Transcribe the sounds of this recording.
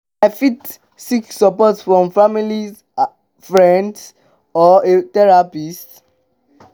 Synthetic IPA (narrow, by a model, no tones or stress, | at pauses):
afit | siksɔpɔtsfɹɔ̃mfamili | fɹɛ̃nds | ɔetɛɹapist